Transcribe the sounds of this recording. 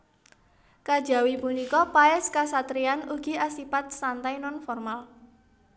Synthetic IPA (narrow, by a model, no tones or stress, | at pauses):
kad̥ʒ̥a̤wipunikɔpaɛskasat̪ɾianuɡ̥iasipat̪̚sant̪ajnɔnfɔrmal